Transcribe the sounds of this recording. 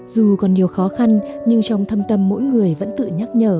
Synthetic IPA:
zu˨˩kɔ˨˩nɗi˨˩əwxɔ˨˦xa˧nɲɨ˧ŋt͡ɕɔ˧wŋ͡mt̪ʰə˧mt̪ə˧mːo̰˧˥jŋɨ˨˩əjvə̰˧˥nt̪ɨ̰˧˨ɲaː˦˥k̚ɲəː˧˩

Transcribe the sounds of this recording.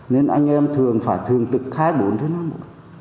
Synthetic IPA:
ne˧nʔa̰˧jŋ̟ʔɛ˧mt̪ʰɨ˨˩əŋfaː˧˩jt̪ʰɨ˨˩əŋt̪ɨ˨˩k̚xaː˧jɓo˨˦nt̪ʰɨ˨˦naː˧mo˨˩

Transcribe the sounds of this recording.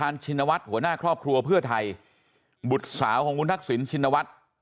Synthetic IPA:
aː˧nt͡ɕʰi˧nːa˧wa˦˥t̪̚hu˩˦ɐnaː˥˩kʰɾɔː˥˩p̚kʰɾu˧ɐpʰɯ˥˩ɐt̪ʰa˧j | bu˨˩t̪̚saː˩˦wkʰɔː˩˦ʔu˦˥nt̪ːa˦˥k̚si˩˦nt͡ɕʰi˧nːa˧wa˦˥t̪̚

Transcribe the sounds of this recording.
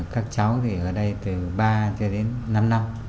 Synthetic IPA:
kaː˦˥k̚t͡ɕa˨˦wt̪ʰi˨˩ʔəː˧˩ɗə˧jt̪ɨ˨˩ɓaː˧t͡ɕɔ˧ɗe˨˦nːa˧mna˧m

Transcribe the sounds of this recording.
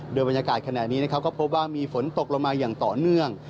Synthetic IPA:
doː˧jba˧njaː˧kaː˨˩t̪̚kʰa˧naː˨˩t̪̚niː˦˥na˦˥kʰa˦˥wkɔː˥˩pʰo˦˥p̚waː˥˩miː˧fo˩˦nt̪o˨˩k̚lo˧ŋmaː˧jaː˨˩ŋt̪ɔː˨˩nɯ˥˩əŋ

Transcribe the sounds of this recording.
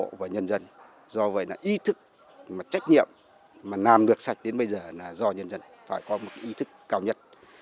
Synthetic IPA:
o̰˧˨vaː˨˩ɲə˧nzə˧n | zɔ˧və̰˧˨jlaː˨˩ʔi˨˦t̪ʰɨ˦˥k̚ | maː˨˩t͡ɕa˦˥jk̟̚ɲḭ˧˨əm | maː˨˩laː˨˩mɗɨ˨˩ək̚sa˨˩jk̟̚ɗe˨˦nɓə˧jzəː˨˩naː˨˩zɔ˧ɲə˧nzə˧n | faː˧˩jkɔ˨˦mo˨˩ka˨˦ʔi˨˦t̪ʰɨ˦˥kːaː˧wɲə˦˥t̚

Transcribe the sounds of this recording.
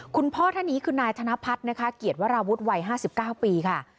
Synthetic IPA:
kʰu˧npʰɔː˥˩t̪ʰaː˥˩niː˦˥kʰɯː˧naː˧jt̪ʰa˧na˦˥pʰa˦˥t̪̚na˦˥kʰa˦˥ki˨˩ət̪̚wa˦˥ɾaː˧wu˦˥t̪̚wa˧jɦaː˥˩si˨˩p̚kaː˥˩wpiː˧kʰa˥˩

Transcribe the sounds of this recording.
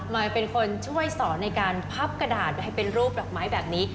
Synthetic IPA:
maː˧pe˧nkʰo˧nt͡ɕʰu˥˩əjsɔː˩˦na˧jkaː˧npʰa˦˥p̚ka˧daː˨˩t̪̚ɦa˥˩jpe˧nɾuː˥˩p̚dɔː˨˩k̚maː˦˥jbɛː˨˩p̚niː˦˥

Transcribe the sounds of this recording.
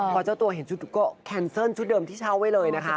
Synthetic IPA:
pʰɔː˧˩t͡ɕaː˥˩wt̪u˧ɐɦe˩˦nt͡ɕʰu˦˥t̪̚kɔː˥˩kʰɛː˧nsɤː˥˩˨nt͡ɕʰu˦˥t̪̚dɤː˧mt̪ʰiː˥˩t͡ɕʰaː˦˥˩wa˦˥˩jlɤː˧jna˦˥kʰa˦˥ʔ

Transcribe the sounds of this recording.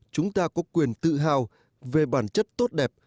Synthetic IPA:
t͡ɕʊ˨˦ŋ͡mt̪aː˧kɔ˨˦kwi˨˩ənt̪ɨ̰˧˨ɦa̰ː˨˩w | ve˨˩ɓaː˧˩nt͡ɕə˦˥t̚t̪o˦˥t̚ɗɛ˨˩p̚

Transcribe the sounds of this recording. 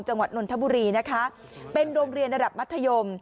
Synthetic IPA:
ŋt͡ɕa˧ŋwa˨˩t̪̚no˧nt̪ʰbuː˧ɾiː˧na˦˥kʰa˦˥ | pe˧nɾoː˧ŋɾi˧ənɾa˧da˨˩p̚m˦˥t̪ʰːa˧jo˧m

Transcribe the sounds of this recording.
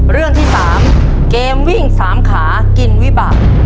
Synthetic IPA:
ɾɯ˥˩əŋt̪ʰiː˥˩saː˩˦m | keː˧mwi˥˩ŋsaː˩˦mkʰaː˩˦ | ki˧nwi˦˥baː˨˩t̚

